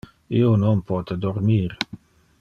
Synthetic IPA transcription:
ionɔnpʰɔːt̪əd̪ɔɾmiːɾ

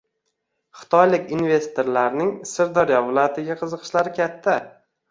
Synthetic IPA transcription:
χɨ̥t̪ʰɒjlɪkʲinve̞st̪oɾlaɾnɪŋsɪɾd̪ɒɾjɒvɪlˠɒjat̪ʰɪɡʲaqʰɨzɨqʰɨ̥ʃlaɾɪkʲʰat̪ʰːa

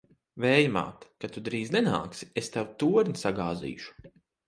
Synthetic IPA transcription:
vɛːjma̰ːt̪kat̪ud̪ɾiːznɛna̰ːksi̥est̪awt̪uɔɾnʲisaɡaːzḭːʃu̥

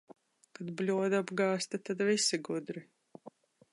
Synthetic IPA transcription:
kad̪blʲuɔd̪abɡɑːst̪at̪ad̪visiɡud̪ɾi

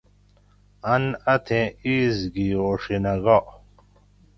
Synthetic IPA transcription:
ɐnɐt̪ʰẽiːzɡiːoːʂinɐɡoʔ

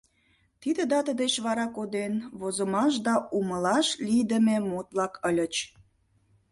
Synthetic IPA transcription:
t̪id̪ə̆d̪ɑt̪əd̪et͡ɕβɑɾɑkod̪enβozəmɑʃ̬d̪ɑʔuməlɑʃlʲijd̪ə̆memot̪lɑkʰəlʲə̆t͡ɕ

